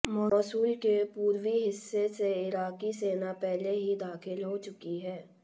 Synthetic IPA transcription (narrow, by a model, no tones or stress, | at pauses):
mɔːsuːlkepuːɾwiɦɪsːeseɪɾaːkiseːnapɛɦleɦid̪aːxɪlɦot͡ʃʊkiɦɛː